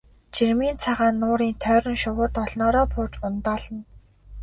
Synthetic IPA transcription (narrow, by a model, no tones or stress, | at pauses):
t͡ɕʰirmiːnt͡sʰaʁaːnːʊːɾiːnt̪ʰœːɾə̆ŋʃʊwʊːt̪ɔɮnɔːɾɔːpʰʊːt͡ɕʊnt̪ɔːɮə̆n